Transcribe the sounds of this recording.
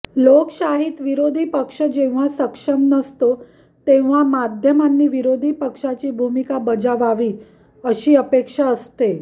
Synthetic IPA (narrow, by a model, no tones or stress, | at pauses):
lokɕaɦit̪ʋiɾod̪ʱiːpəkʂəd͡ʑẽʋ̤̃asəkʂəmnəst̪o | t̪eʋ̤amad̪ʱjəmanːiːʋiɾod̪ʱiːpəkʂat͡ɕiːbʱumikabəd͡zaʋaʋiː | əɕiːəpekʂaəst̪e